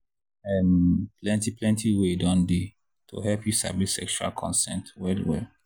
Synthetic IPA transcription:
ɛ̃nplɛ̃ntiplɛ̃ntʰiwedɔ̃ndi | tʰo̰ɦɛlpjusa̰bisɛ̰kʃua̰lkʰɔ̰̃nsɛ̃ntwɛlwɛ̰l

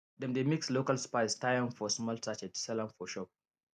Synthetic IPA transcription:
dɛ̃mdemikslokalspaɪstajãnfɔsmɔltat͡ʃɛtsɛlãmfɔʃɔp̚

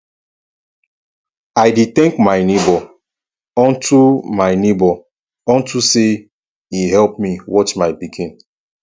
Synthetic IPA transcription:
ajdetɛ̃ŋkmaɪnebɔ | ɔ̃ntʰumaɪnebɔ | ɔ̃ntʰuse | iɦɛlpmiwɔt͡ʃmaɪpikʰĩn

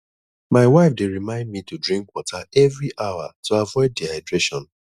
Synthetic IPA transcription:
maɪwaɪfdeɹimãɪ̃nd̚mitudɹĩŋkwɔtʰaɛvɹiʔaʊwa̰tuavɔɪddihaɪdɹeʃɔ̃n

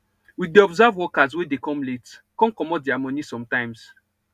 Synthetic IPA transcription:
wiθdiɔbzavwɔkazwedekɔ̃mletkɔ̃nkɔmɔt̚diamɔnisɔ̃mtãɪ̃ms

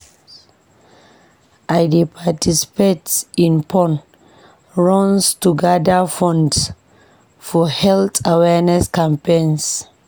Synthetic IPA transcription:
ʔajdipʰatʰisi̥petsĩnpʰɔ̃n | ɹɔ̃nstuɡadəfɔ̃nds | fɔhɛlt̪ʰawɛnɛskãmpẽns

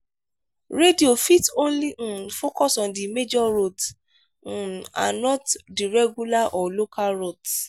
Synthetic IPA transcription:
ɾediofitõnlĩfokɔsɔ̃ndimed͡ʒɔɾot̩ | a̰nɔtdiɾɛɡulaʔɔlokʰalɾot

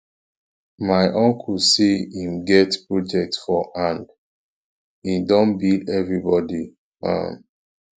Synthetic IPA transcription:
maɪʔɔ̃ŋkʰusiĩmɡɛtpɹɔd͡ʒɛk̚tfɔʔãnd | idɔ̃nbildɛvɹibɔdi | ã̰m

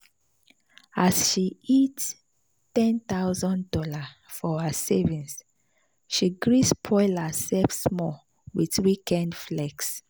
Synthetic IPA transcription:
asʃiit | tɛ̃nt̪aʊzɔ̃ndɔla | fɔhəsevĩns | ʃiɡɹispʰɔɪləsɛfsmɔ | wiθwikɛ̃ndflɛks

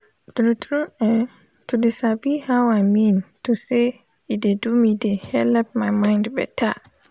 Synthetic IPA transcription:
dɾũtʰɾũɛ̃ | tʰudɪsabihawaɪmĩntʰuse | idedumĩdehɛlɛp̚mãɪmãɪ̃ndbɛ̰tʰa̰

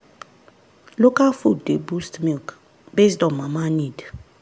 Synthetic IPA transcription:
lɔkʼafudʱɛbustʼmilk | ɓeztʼɔmamanidḁ

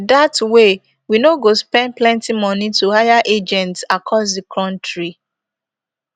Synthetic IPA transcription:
datwe | winoɡospɛ̃nd̚plɛ̃ntimɔnituhajaʔed͡ʒɛ̃ntsakʰɔsdikʰɹɔ̃ntɹi

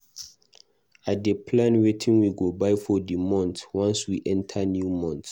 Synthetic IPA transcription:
at̚dəpʰlãnwetʰĩŋwiɡobajfɔdimɔ̃ntwãnswiʔɛ̃ntʰanjumɔ̃nt

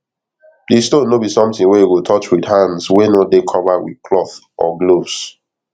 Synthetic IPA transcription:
distõnːobisɔ̃mtĩŋwejeɡotʰɔt͡ʃwidhãndswenodekʰɔvawḭð̥kʰlɔθ | ʔɔ̰ɡlovs

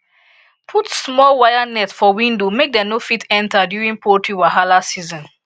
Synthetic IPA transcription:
pʰutsmɔlwajanɛtsfɔwĩndomek̚dɛ̃nofitʰɛ̃ntʰadjuɹĩŋpʰɔtʰiwaɦalasizɔ̃n

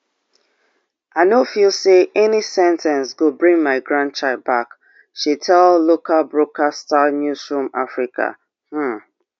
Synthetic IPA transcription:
aɪnofilˠseʔɛnisɛ̃ntʰɛ̃nsɡobɹĩŋmaɪɡɹãnt͡ʃaɪd̚bak | ʃitʰɛllokabɹokʰastanjusɹũmafɹika̰ | h̩

